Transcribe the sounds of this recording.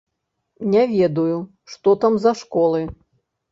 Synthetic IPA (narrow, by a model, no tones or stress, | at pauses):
nʲɛvʲɛd̪uju | ʂt̪ɔt̪amzɐʂkɔlˠɨ